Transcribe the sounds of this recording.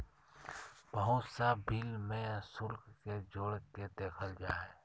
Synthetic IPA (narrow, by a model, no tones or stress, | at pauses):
bəɦʊt̪sabʱɪlmẽsʊlkked͡ʒoːɽked̪eːkʰəld͡ʒaːe